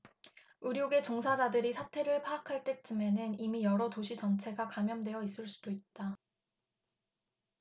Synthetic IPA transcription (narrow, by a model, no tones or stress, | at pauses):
ɯɾjoɡe̞t͡ɕoŋsʰad͡ʑadɯɾisʰatʰe̞ɾɯɭpʰaːkʰaɭt͈e̞t͡ɕ͈ɯme̞nɯnimijʌɾʌtoɕʰit͡ɕʌnt͡ɕʰe̞ɡakamjʌndwe̞jʌis͈ɯɭs͈ud̥oit̚t͈a